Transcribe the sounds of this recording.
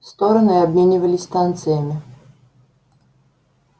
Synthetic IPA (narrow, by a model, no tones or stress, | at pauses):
st̪oɾənɨɐbmʲenʲɪvəlʲɪsʲst̪ant̪sɨjəmʲɪ